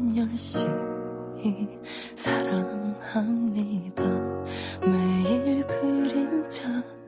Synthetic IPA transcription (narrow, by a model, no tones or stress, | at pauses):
ɲʌnɕi | e | sʰaɾaŋhamnid̪a | mejiɭkʰɯɾint͡ɕʰa